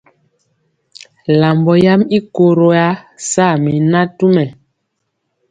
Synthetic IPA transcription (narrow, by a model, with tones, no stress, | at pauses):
la˨mbɔ˨ja˦mi˦ko˨ɾo˨ja˦sa˦˨mi˨na˦tu˦mɛ˨